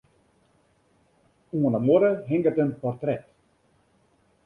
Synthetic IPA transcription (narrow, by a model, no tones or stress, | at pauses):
uənamoɾəɦɛŋɡətənpɔrtrɛt